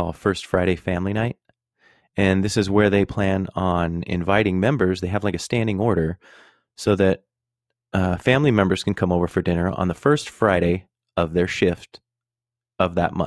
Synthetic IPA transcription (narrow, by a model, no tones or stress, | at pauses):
ɔlˠfɜ˞stfɹaɪɾeɪfæ̃mliñaɪt̚ | ɨ̃nðɪsɨzwə˞ðeɪpʰl̥æ̃nə̃nɪ̰̃ɱvaɪɾɪ̃ŋmɛ̃mbə˞zðeɪɨvlaɪkɨstæ̃ndɪ̃ŋɔɹɾə˞ | soʊðɨt̚ | fæ̃mlimɛ̃mbə˞z̥kʰn̩kʰʌ̃moʊvə˞fə˞dɪ̃nə˞ə̰̃nðəfɜ˞stfɹaɪɾeɪ | ʌvðə˞ʃɪft | ʌvðə̰t̚mʌ̰̃